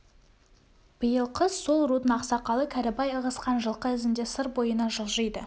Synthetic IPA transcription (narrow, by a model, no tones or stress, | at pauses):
b̥əjəlˠqʰəsso̞lˠɾud̪ənɑqsɑqɑlˠəkʲʰæɾɪbɑjəʁəsqɑnʒəlˠqəɪzɪnd̪e̞səɾbo̞jənɑʒəlˠʒəjd̪ə